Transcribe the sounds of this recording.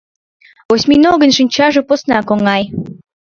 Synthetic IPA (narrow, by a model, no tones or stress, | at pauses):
osʲmʲinoɣə̆nʃɨnʲt͡ɕɑʒɤ̆posnɑkoŋɑj